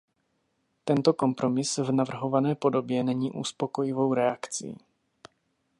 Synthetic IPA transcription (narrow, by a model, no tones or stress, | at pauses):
t̪ɛnt̪o̞ko̞mpɾo̞mɪsvnavr̩ɦo̞vanɛːpo̞do̞bjɛnɛɲiːʔuspo̞ko̞jɪvo̞wɾɛakt͡sḭː